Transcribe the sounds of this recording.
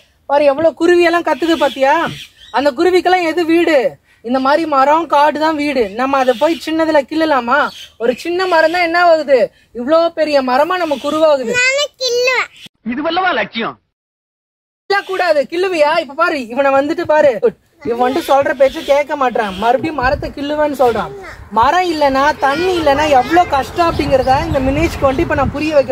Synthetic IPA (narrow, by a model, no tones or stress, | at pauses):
paːɾɯ̃ɡɛʋːɐɭoːkʊɾʊʋɪjɛlːãːkɐt̪ːɯðɯp̬aːɾt̪ɪaːɐnd̪ɐk̬ʊɾʊʋɪkːɐɭãːɛðɯʋiːɽɯ | ɪnd̪ɐmaːd̪ɾimɐɾõːkaːʈːɯt̪ãːʋiːɽɯnɐmːɐːðɐp̬oːjt͡ʃɪnːɐðɪlɐkɪɭːɐlaːmaːɔɾɯt͡ʃɪnːɐmɐɾɐ̃t̪ãːɛnːɐʋaːɣɯðɯ | ɪʋɐɭoːpɛɾɪjɐmɐɾɐmaːnɐmːɐkʊɾʊʋaːɣɯðɯnaːnɐkːɪlːɐɪðɯʋɐlːɐʋãːlɐʈ̚t͡ʃːɪjõ̰ | lːaːkuːɽaːðɯkɪɭːɯʋɐjaːɪpːɐpaːɾɯɪʋɐnãːʋɐnd̪ɯʈːɯpaːɾɯ | ɪʋɐ̃ʋɐɳɖɯsɔlrɐp̬eːt͡ʃːɐkeːʈ̚kːɐmaːʈ̬ːɾãːmɐɾɯpɽĩmɐɾɐt̪ːɐkɪɭːɯʋẽːnːɯsɔlɾãː | mɐɾɐ̃ɪlːɐnːaːt̪ɐɳːiɪlːɐnːaːɛʋːɐɭoːkɐʂʈɐ̃ɐpːɐɽɪŋɡɪɾɐðãːɪnd̪ɐmɪneːt͡ʃkɯʋɐɳɖɯɪpːɐːnaːɐpʊɾɪjɐʋɛkːɯ